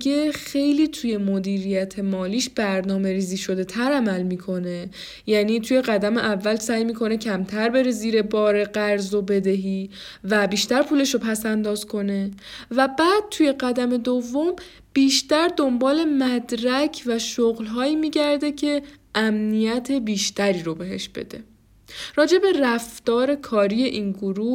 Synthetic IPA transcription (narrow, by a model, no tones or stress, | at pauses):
e̞xe̞jliːt̪ʰuje̞mod̪iːɾijæt̪ʰe̞mɒːliːʃb̥æɾnɒːme̞ɾiːziːʃo̞d̪e̞t̪ʰæɾæmælmiːkʰo̞ne̞ | jæːniːt̪ʰuje̞ɢæd̪æme̞ʔævːælsæːjmiːkʰo̞ne̞cʰæmt̪ʰæɾbe̞ɾeziːɾe̞bɒːɾe̞ɢæɾzo̞be̞d̪eɦiː | væbiːʃt̪æɾpʰuːle̞ʃopʰæsænd̪ɒːz̥kʰo̞ne̞væbæːd̪̥̚t̪ʰuje̞ɢæd̪æme̞d̪ovːo̞m | b̥iːʃt̪æɾd̪o̞mbɒːle̞mæd̪ɾæcʰvæʃoɣlɦɒːjiːmiːɟæɾd̪e̞cʰe̞ʔæmnijæt̪ʰe̞biːʃt̪æɾiːɾobe̞ɦe̞̰ʃb̥e̞̰d̪e̞̰ | ɾɒːd͡ʒe̞be̞ræft̪ɒːɾe̞kʰɒːɾije̞ʔiːnɡoɾuː